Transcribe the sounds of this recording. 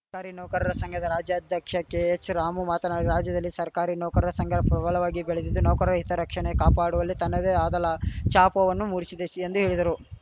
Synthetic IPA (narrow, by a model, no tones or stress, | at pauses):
sɐkaːɾinɔːkɐɾɐɾɐsɐŋɡʰʱɐd̪ɐɾaːd͡ʒjɐɐd̪ʱjɐkʂɐkeet͡ʃɾaːmumaːt̪ɐnaːɾiɾaːd͡ʒjɐd̪ɐlːisɐɾkaːɾinɔːkɐɾɐɾɐsɐŋɡʱɐɾɐpɾɐbɐlɐʋaːɡibeɭed̪id̪ːunɔːkɐɾɐɾɐɦit̪ɐɾɐkʂɐɳekaːpaːɽuʋɐlːit̪ɐnːɐd̪eːaːd̪ɐlɐt͡ʃaːpɐʋɐnːumuːɽisid̪eend̪uɦeːɭid̪ɐɾu